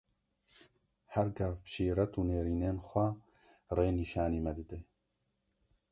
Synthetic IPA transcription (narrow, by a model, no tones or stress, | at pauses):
hɛɾɡɛfbɨ̥ʃeːɾɛt̪uːneːɾiːneːnxʷɛ | reːniːʃaːniːmɛd̪ɨd̪e